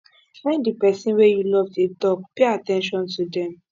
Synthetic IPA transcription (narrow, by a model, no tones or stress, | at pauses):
fãɪ̃ndipɛsĩnwejulɔvfetɔk̚peatɛ̃nʃɔ̃ntudɛ̃m